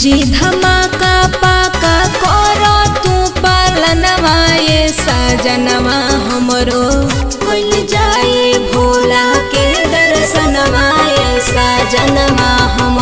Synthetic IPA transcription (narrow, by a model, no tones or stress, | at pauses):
d͡ʒid̪ʱɐmakapakakɔːɾɔt̪ũpalɐnɐʋajesad͡ʒɐnəʋaɦɐmɾo | pold͡ʒaːjebʱoːlaked̪ɐɾsənəʋajesad͡ʒɐnəʋaɦɐm